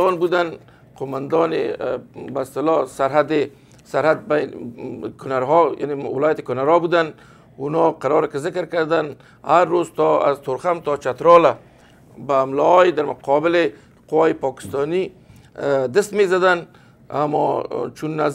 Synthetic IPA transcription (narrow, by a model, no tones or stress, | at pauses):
ɔnbud̪an | qomand̪ɔnḛbaɪst̪ɪlɔsaɾɦad̪e | saɾhad̪̚bajnkʊnaɾɦɔja̰newɪlɔjat̪ɪ̥kʊnaɾɔbud̪an | unɔqaɾɔɾɪkɪzɪkɾkaɾd̪an | haɾːozt̪ɔa̰zt̪ʊɾxamt̪ɔt͡ʃat̪ɾɔla | baːmlɔɔjed̪aɾmʊ̰qʰɔbɪle | qʊwajɪpɔkɪ̥st̪ɔni | d̪ɪst̪mezad̪an | a̰mɔ̰t͡ʃunːaz